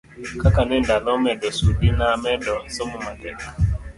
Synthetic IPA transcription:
kakanɛndanɔmɛdɔsudinamɛdɔsɔmumadɛk

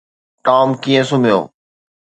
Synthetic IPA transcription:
ʈaːmkiːə̃sʊmijo̰ː

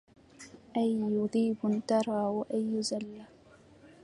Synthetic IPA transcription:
ʔajːʊðˤiːbʊnt̪ɑɾˤɑːwaʔajːʊzalːa

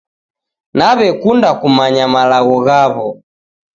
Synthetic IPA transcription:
naβɛkundakumaɲamalaɣɔɣaβɔ

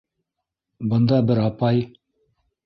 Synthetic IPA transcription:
bɤ̆nd̪ɑbɘɾɑpɑj

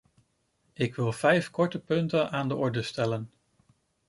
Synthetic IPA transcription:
ɪkʋɪlˠv̥ɛjfkɔɹtəpɵntənaːndəɔɹdəstɛlən

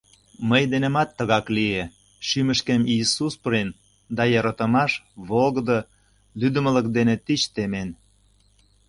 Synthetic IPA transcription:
məjd̪enemɑt̪ːəɣɑklie | ʃyməʃkemisuspɾin | d̪ɑjɑɾɑt̪ə̆mɑʃβolɣə̆d̪o | lyd̪ə̆mə̆ləkd̪enet̪it͡ɕt̪emen

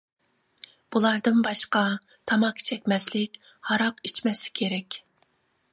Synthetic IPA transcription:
b̥ulˠɑɾd̪ɨnbɑʃqɑ | t̪ʰɑmɑqʰːt͡ʃʰɛkʲmɛslɪkʲ | hɑɾɑqit͡ʃmɛsɪ̥kʲʰeɾɛkʲ

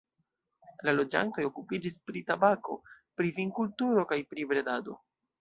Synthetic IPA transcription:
lalo̞d͡ʒa̰nto̞jokupid͡ʒispɾitabako̞pɾiviŋkultuɾo̞kajpɾibɾe̞dado̞̰

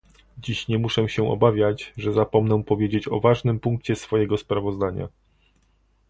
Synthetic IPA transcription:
d͡ʑiɕɲɛmuʂɛw̃ɕɛʔɔ̰bavʲjat͡ɕʐɛzapɔmnɛ̃pɔvʲjed͡ʑet͡ɕɔ̰vaʐnɘmpuŋk̚t͡ɕɛsfɔjɛɡɔspɾavɔzd̪aɲa̰

